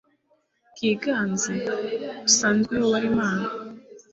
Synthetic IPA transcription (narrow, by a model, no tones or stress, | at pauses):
kiːɡaːnziusaːnzɡwehowaɾimaːna